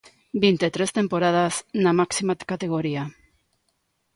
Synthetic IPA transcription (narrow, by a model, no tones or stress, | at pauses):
bejnt̪et̪ɾest̪e̞mpo̞ɾað̞asnamaksimakat̪e̞ɣ̞o̞ɾia